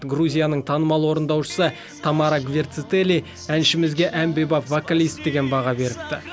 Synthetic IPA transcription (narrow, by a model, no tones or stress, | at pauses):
ɡɾuzʲijanəɴt̪ʰɑnəmɑlˠwo̞ɾənd̪ɑwʃə̥sə | t̪ʰɑmɑɾaɡvʲert̪sɪt̪elʲi | ænʃɪmɪzɡʲe̞ʔæmbejbɑfvokalʲijst̪̚d̪e̞ɡʲe̞nbɑʁɑbe̞ɾɪp̚t̪ɪ